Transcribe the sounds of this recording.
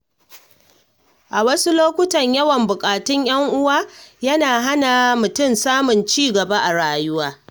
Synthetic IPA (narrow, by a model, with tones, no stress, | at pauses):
ʔa˨wɐ˦su˦loː˦kʷʊ˦tɐ˨ɲjɐ˦wɐ˨mbʊ˨kʼaː˨tʊ˦ɲj̰ɐ˦ŋʔʊ˦waː˦jɐ˦naː˨ɦa˦na˨mʊ˨tʊ˦˨msaː˦mʊ˨nt͡ʃiː˦ɡɐ˨ba˦ʔa˨ɽaː˨jʊ˦waː˦